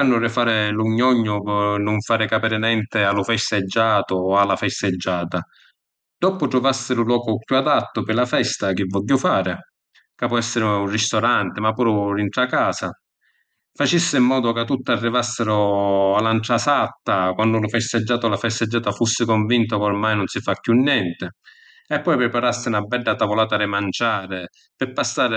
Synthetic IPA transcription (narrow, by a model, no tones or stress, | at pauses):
kanːʊrɪfaːɾɪluɲːɔɲːʊnʊɱfaːɾɪkapɛːɾɪnɛnt̪ɪalʊfɛst̪ɪd͡ʒːaːt̪ʊalːafɛst̪ɪd͡ʒːaːt̪a | d̪̥ɔpʊt̪ɾʊvasːɪɾʊlwɔːkʊkjuad̪at̪ːʊpɪlafɛst̪ak̟ɪvːɔʎːʊfaːɾɪ | kapɔɛsːɪɾɪunrist̪ɔɾant̪ɪmapːuːɾʊɾint̪ɾakaːsa | fat͡ʃisːɪmːɔːd̪ʊkat̪ːut̪ːɪarːivasːɪɾʊalːanʈɾasat̪ːakwand̪ʊlʊfɛst̪ɪd͡ʒːaːt̪ʊlafɛst̪ɪd͡ʒːaːt̪afusːɪkɔɱvint̪̬ʊkormajnʊnsɪfakːjunːjɛnt̪ɪ | ɛpːɔjpɾɪpaɾasːɪnabːɛɖːat̪avolaːt̪aɾɪmant͡ʃaːɾɪ | pɪpːasːaːɾɪ